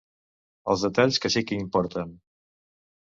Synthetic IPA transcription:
ə̰lˠzðət̪aʎskəsikəimpɔɾt̪ən

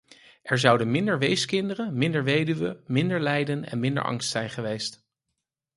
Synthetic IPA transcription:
ʔɛɹzɑwdənmɪndəɹʋejskɪndərənmɪndəɹʋejdyʋəmɪndəɹlɛjdənɛ̰nmɪndə̰ɹʔɑ̰ŋstsɛjnχəʋejst

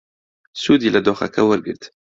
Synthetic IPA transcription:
sud̪ilad̪oxa̰kʰawəɾɡɨ̰ɾt̪

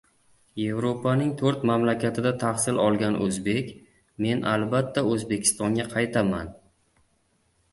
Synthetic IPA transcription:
je̞vɾopʰanɪŋt̪ʰɵɾt̪mamlakʲat̪ʰɪd̪at̪ʰaχsɪlɒlˠɡʲanʔɵ̰zbe̞kʲ | me̞nʔalbat̪ːaɵzbe̞kʲʰɪ̥st̪ɒŋɡʲaqʰɑjt̪ʰaman

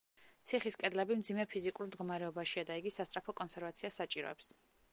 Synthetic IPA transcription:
t̪sʰiχiskʼɛd̪lɛbimd̪zimɛpʰizikʼuɾmd̪ɡɔmaɾɛɔbaʃiad̪aiɡisast̪ʼɾapʰɔkʼɔnsɛɾvat̪sʰiasat͡ʃʼiɾɔ̰ɛ̰ps

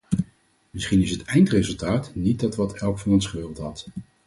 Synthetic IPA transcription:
mɪsχinɪsɦətɛjntrezɵlˠtaːtnit̚dɑtʋɑtɛlˠkfɑnɔnsχəʋɪːrlˠtɦɑt

